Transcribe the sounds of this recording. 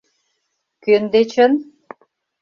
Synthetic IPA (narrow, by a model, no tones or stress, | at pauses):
kønd̪et͡ɕə̆n